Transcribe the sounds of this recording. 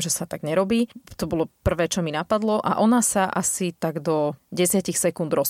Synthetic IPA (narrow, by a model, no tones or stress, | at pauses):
ʒɛsat̪aɡɲɛɾɔbiːt̪ɔbɔlɔpr̩ʋɛːt͡ʃɔminapad̪lɔʔa̰ʔɔnasaʔasit̪aɡd̪ɔɟɛsɪacixsɛkund̪ɾɔs